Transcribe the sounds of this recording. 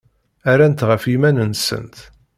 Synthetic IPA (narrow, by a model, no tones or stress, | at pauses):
æɾænt̪ʁəfimænənsə̰nt̪